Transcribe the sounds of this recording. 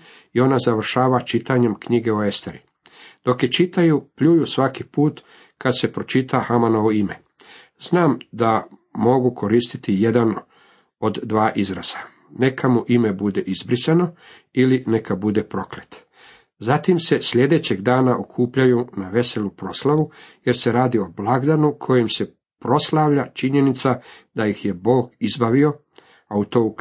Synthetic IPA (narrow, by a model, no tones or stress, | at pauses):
io̞nazaʋr̩ʃaːʋat͡ʃit̪aɲe̞mkɲiɡe̞oe̞st̪e̞ɾi | d̪̥o̞kjet͡ʃit̪ajupʎuːjusʋakipuːt̪ | kad̪se̞pɾo̞t͡ʃit̪ʰahamanoʋoime̞ | znaːmd̪amo̞ɡukʰo̞ɾiːst̪i̥t̪ije̞d̪an | o̞d̪ːʋaːʔizɾa̰z̥a | ne̞kʰamuʔime̞bud̪e̞ʔizbɾisano̞ | iline̞kabud̪e̞pɾo̞klet̪ | zat̪imse̞sʎe̞d̪e̞t͡ɕe̞ɡd̪aːnaʔokʰuːpʎajunaʋe̞se̞lupɾo̞slaʋuje̞ɾse̞ɾaːd̪io̞blˠaɡd̪anukʰo̞jemse̞ | pɾo̞slˠaʋʎat͡ʃiɲe̞nit̪sad̪̥ajixjebo̞ːɡizbaʋio̞ | aut̪o̞ːu